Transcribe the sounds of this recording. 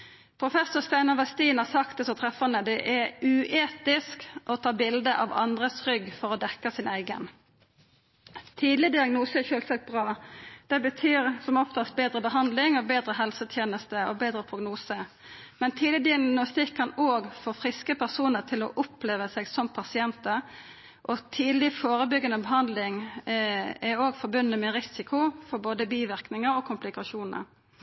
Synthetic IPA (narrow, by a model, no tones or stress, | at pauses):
pʰʁʊfɛsʊʁst̪æɪnɑʋɛst̪iːnɑsɑkt̪əsɔt̪ʰʁɛfɑnəd̪ɛʔɛʉʔeːt̪ɪskʔɔt̪ʰɑːbɪld̪əʔɑ̰ʋɑ̰nd̪ʁəsʁʏɡfɔʁɔd̪ɛkːəsɪnæɪɡə̰n | t̪ʰiːd̪lɪd̪ɪɑɡnuːsəɛçøːlsɑk̚t̪̚bʁɑːd̪̥ɛbət̪ʰyːɾsɔmɔft̪ɑst̪̚beːd̪ɾəbəɦɑnd̪lɪŋoːbeːd̪ɾəɦɛlsət̪ʰjeːnəst̪əobeːd̪ɾəpʰʁʊɡnuːsə | mɛnt̪ʰiːd̪ɪd̪ɪɑnʊst̪ɪkʰːɑnoːɡfoːfʁɪskəpʰæʁsuːnəʁt̪ʰɪlɔ̰ʔʊpleːʋəsɛɡsɔmpʰɑsɪɛnt̪əɾ | ʔɔt̪ʰiːd̪lɪfoːɾəbʏɡːənəbəɦɑnd̪lɪŋ | ɛɾoːɡfɔɾbʉnːəmɛɾɪsɪkʰʊfɔɾboːd̪əbiːʋɪʁknɪŋəɾɔkʰʊmplɪkɑʃuːnə̰ɾ